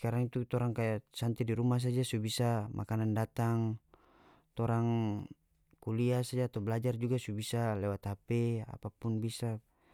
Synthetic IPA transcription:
kaɾaŋit̪ut̪ɔɾaŋkajasant̪idiɾumas̬ad͡ʒasubisamʔa̰kanandat̪aŋ | t̪ɔɾaŋ | kuliasad͡ʒaːt̪awblad͡ʒard͡ʒuɡasubisalɛwat̪hapɛa̰papunbisa

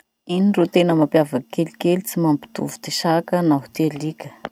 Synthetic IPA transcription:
inirot̪enəmampjavəkelikelit͡simampi̥t̪ṵvu̥t̪eʃakənaɦu̥t̪elikʲə̥

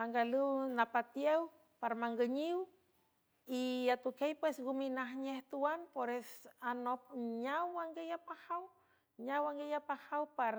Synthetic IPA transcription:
aŋɡaluwnapat̪jew | paɾmaŋɡəɲiw | iat̪ukejpwesɡuminaɦɲeht̪uanpoɾɛsanopɲawaŋɡejapahaw | ɲawaŋɡejapahawpar

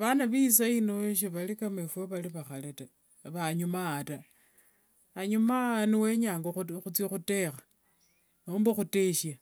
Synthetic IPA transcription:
βanaβisainoeʃ̬iβalikamefeβaliβaxaleta | βaɲumata | ɲumaniweɲaːŋɡoxut͡sixute̞xḁ | nomboxuteʃja

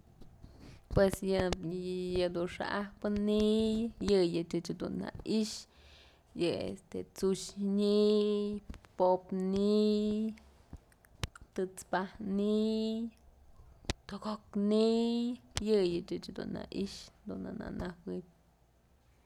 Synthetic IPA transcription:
pwesjɨ | jɨd̪unʂa̰ʔahpɨnijɨjɨt͡ʃɨt͡ʃd̪ṵna̰iʃ | jɨḛst̪et͡suʃɲijpopnij | t̪ɨt͡spahnij | t̪oɡoknijjɨjɨt͡ʃɨt͡ʃd̪ṵna̰ʔiʃd̪una̰na̰nawit̚ʲ

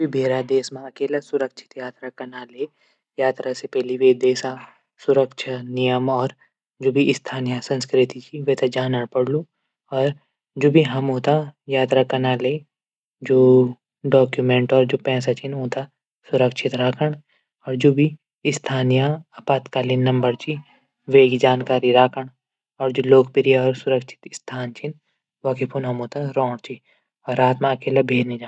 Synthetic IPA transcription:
bʱibʱeːɾad̪eːsmãɐkeːlasʊɾəkʃʰɪ̥t̪jaːt̪ɾakɐnaleː | jaːt̪ɾasepɛɦliʋeːd̪eːsa | sʊɾəkʃʰanijəmɔːɾ | d͡ʒoːbʱiʔɪst̪ʰaːnijasɐ̃nskɾɪt̪it͡ʃʰiʋɛːt̪ed͡ʒaːnəɽpɐɽlu | ɔːɾ | d͡ʒoːbʱiɦɐmɦoːt̪ajaːt̪ɾakɐnaːle | d͡ʒoː | ɖɔːkjumẽɳʈɔːɾd͡ʒopɛ̃ːs̬at͡ʃʰinɦõːt̪a | sʊɾəkʃʰɪt̪ɾaːkʰəɳ | ɔːɾd͡ʒoːbʱi | ɪst̪ʰaːnijaɐpaːt̪kaːlinːɐmbəɾt͡ʃi | ʋeːɡid͡ʒaːnkaːɾiɾaːkʰəɽ̃ | ɔːɾd͡ʒoːloːkpɪɾijaɔːɾsʊɾəkʃʰɪ̥t̪ɪst̪ʰaːnt͡ʃʰin | ʋakipʰunɦɐmɦoːt̪aɾɔ̃ːɽt͡ʃʰi | ɔːɾaːt̪mãɐkeːlebʱeːɾnid͡ʒaː

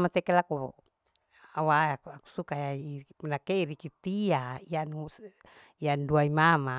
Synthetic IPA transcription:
matɛkelakṵ | awaakaku̥sukajapnakeiɾikit̪iaianu | ianduaimama

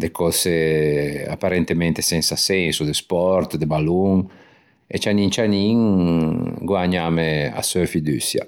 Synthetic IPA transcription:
d̪ekɔse | a̰pːaɾɛnt̪emɛnt̪esɛnsasɛsud̪espɔɾt̪d̪ebaluŋ | ḛt͡ʃaniŋt͡ʃaniŋ | ɡwaɲamea̰søfid̪y̰sja̰

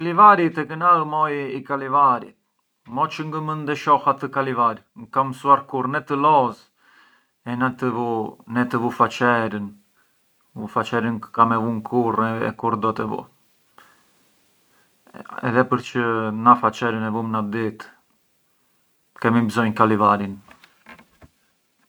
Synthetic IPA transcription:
kalivaɾit̪ɛkənaəmɔjikalivaɾḭt̪ | mɔt͡ʃəŋɡəmənd̪ɛʃɔhat̪əkalivaɾŋkamsuaɾkuɾnɛt̪əlɔz | ɛnat̪əvunɛt̪əvufat͡ʃɛɾən | ufat͡ʃɛɾənkamɛvuŋkʰuɾɛɛ̰kuɾd̪ɔt̪ɛvṵ | ɛ̰ðɛpəɾt͡ʃənafat͡ʃɛɾənɛvumnad̪it̪ | kɛmibzɔjkalivaɾin

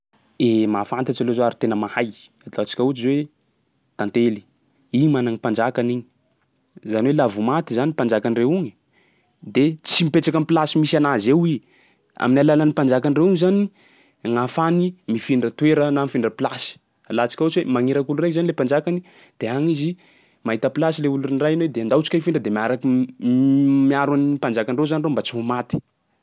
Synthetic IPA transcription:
emafant̪at͡ʃalozoaɾit̪enəmahaj | ad̪lat͡si̥kʲaut͡ʃizwe | t̪ãnt̪eli̥ | iɲmanaŋipand͡ʒakaniɲi̥ | zaniwelavumat̪izanipand͡ʒakanirewuŋi | d̪et͡simipeʈ͡ʂakamplasimisanazewi | a̰minalalanipand͡ʒakanirewuŋzani | ŋafanimifiɳɖ͡ʐət̪weɾənamifiɳɖ͡ʐəpilasi̥ | lat͡si̥kʲaot͡ʃiwemaŋiɾakulurekzanilepand͡ʒakani | d̪̥eaŋizi | maɦit̪əpilasileuluinirajnwed̪eand̪awt͡si̥kʲafiɳɖ͡ʐəd̪emiaɾaki | miaɾwaniipand͡ʒakanrewzanirembat͡siɦumat̪i̥

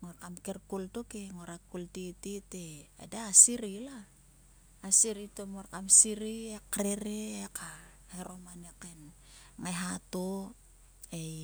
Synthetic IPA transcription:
ŋoɾkamkeɾkultokeŋoɾakultititea̰daːsiɾilaː | siɾitomoɾkamsiɾiekɾeɾeeka | heɾomaneken | ŋajɦato | ej

